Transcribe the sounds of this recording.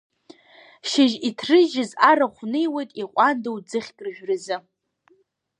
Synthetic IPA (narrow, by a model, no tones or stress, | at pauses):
ʃɪʒitʰrɨʒɪzaɾaχʷnɨjwejtʼiqʷʼandawd͡zɨχʲkʲʼrʒᶣrɨzɨ